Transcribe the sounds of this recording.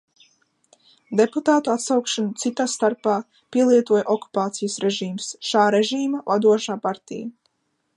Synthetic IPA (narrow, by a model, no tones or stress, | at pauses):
d̪eput̪aːt̪uat̪sawkʃanut̪sit̪aːst̪aɾpaː | piɛlˠiɛt̪uɔjʔɔku̥paːt̪sijəsɾeʒiːmsʃaːɾeʒiːmavad̪uɔʃaːpaɾt̪ḭja